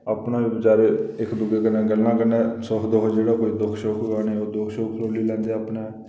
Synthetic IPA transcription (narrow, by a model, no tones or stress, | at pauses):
aːpnãːʋiːbət͡ʃaːɾeːɪkd̪ʊɡeːkənɛ̃ːɡəlːãːkəɾnɛ̃ːsɔːɦd̪oːkd͡ʒeːɽaːkoːiːd̪ʊkʰʃoːkʰɡaːneoːd̪ʊkʰʃoːkʰloːliːlɛ̃ːnd̪eapnẽː